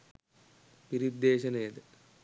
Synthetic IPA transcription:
piɾid̪ːeːɕɐnejɐd̪ɨ

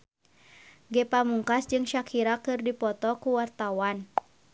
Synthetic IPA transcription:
ɡɛpamuŋkasd͡ʒɨŋʃakʰiɾakɨrdipɔt̪ɔkuwart̪awan

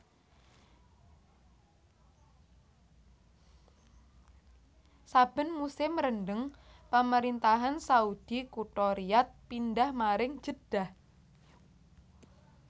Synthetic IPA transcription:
sab̥ə̤nmusɪmɾənɖəŋpaməɾint̪aɦansaud̪̥ikuʈɔɾiat̪̚pindahmaɾɪŋ̥d͡ʒ̥əd̥ah

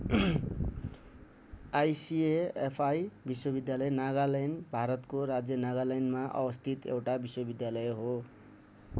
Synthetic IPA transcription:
ajsieepʰajbiswʌbid̪jalʌjnaɡalajnbʱaɾʌt̪koɾad͡zjʌnaɡalajnmaʔʌ̰bʌst̪ʰit̪ḛwʈabiswʌbid̪jalʌjɦo

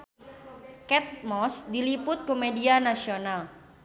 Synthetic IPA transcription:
kɛt̪̚mɔsdilipʊt̪̚komedianasional

